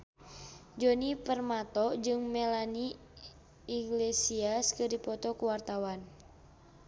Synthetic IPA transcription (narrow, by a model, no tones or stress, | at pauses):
d͡ʒɔnipərmat̪ɔd͡ʒɨŋmɛlani | iɡlesiaskɨrdipɔt̪ɔkuwart̪awan